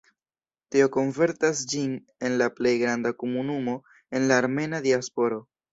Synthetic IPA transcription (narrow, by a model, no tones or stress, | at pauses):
tio̞ko̞ɱve̞ɾtasd͡ʒin | e̞nlaple̞jɡɾandakomunumo̞ | e̞nlaːɾme̞nadiaspo̞ɾo̞